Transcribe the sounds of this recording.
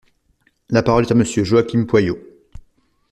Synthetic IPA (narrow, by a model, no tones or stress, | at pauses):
lapaʁɔlɛt̪aməsjøʒoakʲimpwajo